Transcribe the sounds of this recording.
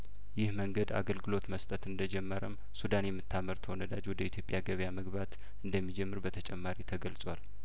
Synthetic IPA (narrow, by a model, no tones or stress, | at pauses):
jɪhməŋɡəd̪a̰ɡəlɡɨlo̞t̪məst̪ʼət̪ɨnd̪əd͡ʒɛmːəɾəm | sud̪anjɛmːɨt̪ʰːaməɾt̪ʰəonəd̪ad͡ʒwɔd̪əit̪ʰjopʼjaɡəβjaməɡβat̪ | ɨnd̪əmːid͡ʒɛmːɨɾbət̪ʰət͡ʃʼɛmːaɾit̪ʰəɡəlsʼwal